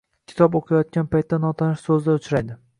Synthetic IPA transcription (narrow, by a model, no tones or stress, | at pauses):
kʲʰɪ̥t̪ʰɒboqʰɑjɒt̪̚kʲanpajt̪ːanɒt̪ʰanɪʃsɵzd̪aʊt͡ʃʰɾajd̪ɪ